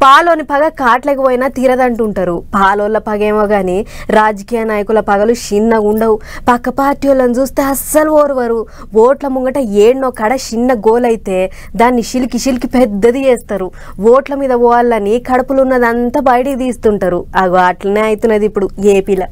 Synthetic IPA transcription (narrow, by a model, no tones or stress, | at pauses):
paːloːnipɐɡɐkaːʈlekipoːjɐnaːt̪iːɾɐd̪ɐɳʈuɳʈaːɾupaːloːlːɐpɐɡeːmoːɡaːniɾaːd͡ʒɐkiːjɐnaːjɐkulɐpɐɡɐluʃinːɐɡuɳɖɐwupɐkːɐpaːɾʈijolːɐnd͡ʒuːst̪e̞ːɐsɐluoːɾuʋɐɾu | ʋoːʈlɐmuŋɡɐʈɐeːɳːoːkɐɽɐʃinːɐɡoːlɐjit̪e̞ː | d̪aːnːiʃilkiʃilkipɛd̪ːɐd̪ieːst̪aːɾu | ʋoːʈlɐmiːd̪ɐʋɔːɐlːɐnːikɐɽɐpulunːɐd̪ɐnt̪ɐbɐjɐʈid̪iːst̪uɳʈaːɾuɐɡuaːʈlɐne̞ːɐjit̪unːɐd̪ipːuɽueːpiːlɐ